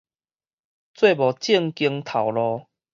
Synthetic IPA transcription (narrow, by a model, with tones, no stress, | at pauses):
t͡swe˥˧bɔ˨˩t͡ɕi˥˧ŋki˧ŋt̪ʰa˨˩wlɔ˧